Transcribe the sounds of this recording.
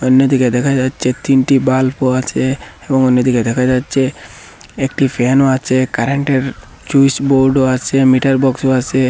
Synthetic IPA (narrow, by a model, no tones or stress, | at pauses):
ɔnjət̪iked̪ekʰad͡ʒat͡ʃet̪inʈibalpoat͡ʃʰeː | bɔŋɔnjət̪iked̪ekʰad͡ʒat͡ʃe | ek̚ʈipʰenoat͡ʃekaɾeɳʈeɾ | d͡ʒuisboɾɖoat͡ʃemiʈɐɾbɔksoat͡ʃe